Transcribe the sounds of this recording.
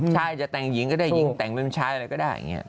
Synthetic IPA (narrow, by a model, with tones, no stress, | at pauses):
t͡ɕaː˧jzaː˨˩t̪aː˨˩ŋzḭ˧˨ənkaː˨˦ɗa˧˩ḭ˧˦t̪a̰ː˨˩ŋmi˧mt͡ɕʰaː˧jlaː˨˩jkaː˨˦jɗa̰ː˧˩˨ŋɛ̰ː˧˨˩